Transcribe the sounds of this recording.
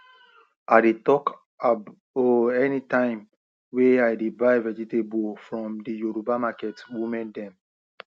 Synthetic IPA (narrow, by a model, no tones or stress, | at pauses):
adetɔk | a | oɛnitãɪ̃m | weajdebaɪvɛd͡ʒitebofɹɔ̃mdijoɾubamakɛtwumɛ̃ndɛ̃m